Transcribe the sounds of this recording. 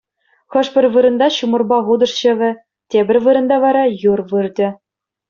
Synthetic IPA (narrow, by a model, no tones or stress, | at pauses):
χɤ̆ʂpʲɘ̆rʲʋɯɾɤ̆nd̪ɑɕumɤ̆rbɑʁud̪ɤ̆ʂɕɘ̆ʋʲɘ̆ | tʲebʲɘ̆rʲvɯɾɤ̆nd̪ɑʋɑɾɑjurʋɯrʲdʲɘ̆